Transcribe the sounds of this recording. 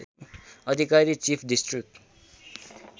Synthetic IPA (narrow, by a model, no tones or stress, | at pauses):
ʌd̪ʱikaɾit͡sipʰɖisʈrik̚ʈ